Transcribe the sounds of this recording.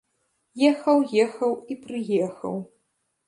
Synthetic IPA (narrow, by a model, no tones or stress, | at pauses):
jɛxɐwjɛxɐwipɾɨjɛxɐ̰w